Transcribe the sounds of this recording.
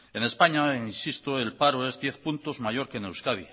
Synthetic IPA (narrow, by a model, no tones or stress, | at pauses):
e̞ne̞spaɲainsist̪oe̞lpaɾoe̞zðje̞θpunt̪o̞zmaʝo̞ɾke̞newskaβi